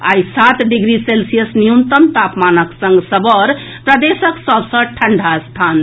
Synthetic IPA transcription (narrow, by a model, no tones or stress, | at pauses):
aisat̪ɖiɡɾiselsijəsnijunt̪ənt̪apmanəksə̃ŋɡsəbɔɾ | pɾəd̪esəksəbsə̃ʈʰəɳɖʱast̪ʰan